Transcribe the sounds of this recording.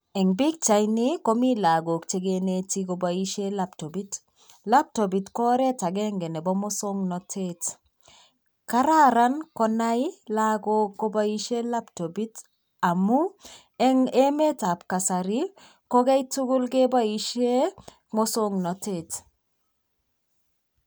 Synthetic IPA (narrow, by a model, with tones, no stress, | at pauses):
ɛ˨ŋbi˦k̚t͡ʃa˨ɪnɪ˦ko˦mi˦la˨ɡo˨kt͡ʃe˦ɡe˦ne˦ti˦ɡo˨ba˨i˦ʃe˦la˦pto˨bi˦t | la˦p̚to˨bi˨tkɔ˦ɾɛ˦ta˨ɡɛ˦ŋɡɛ˨nɛ˨bɔ˦mo˦so˦ŋnɔ˨tʰe˦t | ka˦ɾa˦ɾa˦nkɔ˦na˦i˦la˦ɡo˦kːo˦ba˦i˦ʃe˦la˦pto˨bi˦t | a˨mu˦ | ɛ˦ŋe˦me˦ta˨pka˨sa˨ɾi˦ | kɔ˦ɡɛ˦i˦tu˦ɡʊ˦lɡe˦ba˦i˦ʃe˦ | mo˦so˦ŋnɔ˨te˦˨t